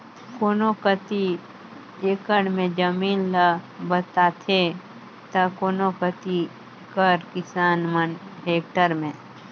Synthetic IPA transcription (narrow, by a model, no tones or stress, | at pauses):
koːnokət̪i | eːkəɽmẽd͡ʒəmiːnlabət̪aːt̪ʰe | t̪ɐkoːnokət̪i | ekəɾkɪsaːnməneːk̚ʈəɾmẽː